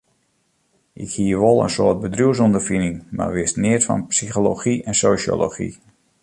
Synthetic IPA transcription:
ʔɪkhiəʋolˠə̰nsoət̚bədruəws̬ondəfinɪŋma̰rʋɪstnɪətfɑ̰npsixoloxiɛnsoːʃjo̰lo̰xḭ

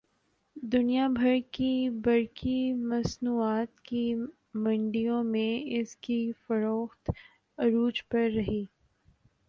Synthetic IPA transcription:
d̪ʊnijabʱɐɾkibɐɾkimɐsnuːaːt̪ki | mɐ̃ɳɖijõmẽɪskifɐɾoːxt̪ | ɐɾuːd͡ʒpɐɾːɐɦiː

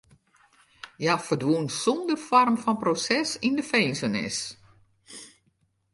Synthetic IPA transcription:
jafərdʋunsɔndərfɔrmfɔnprosɛsindəfeːnsənɪ̰s

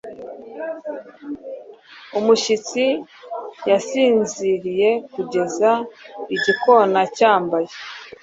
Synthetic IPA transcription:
umuʃit͡si | jasiːnziɾije̞kuɟe̞zaiɟiko̞nacaːmbaje

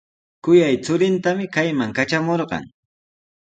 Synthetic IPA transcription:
kʊjajt͡sʊɾɪnt̪amɪkajmaŋkat͡ʃamoɾɢɑ̰ŋ

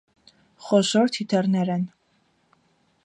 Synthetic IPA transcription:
χɔʃɔɾt̪ʰit̪ʰɛrnɛɾɛn

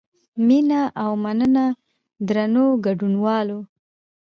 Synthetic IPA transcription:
minaʔawmanəna | d̪ɾanoɡaɖunwɑlo

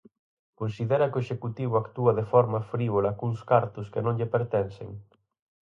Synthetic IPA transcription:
konsiðɛɾɐkoeʃekut̪iβʊakt̪uɐðefɔɾmɐfɾiβolakuŋskaɾt̪ʊskenõŋʎepeɾt̪ɛnsḛŋ

